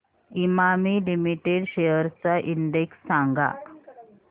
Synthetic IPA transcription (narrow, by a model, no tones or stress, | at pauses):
imamiːlimiʈeɽɕejəɾt͡saʔiɳɖeksːãŋɡa̰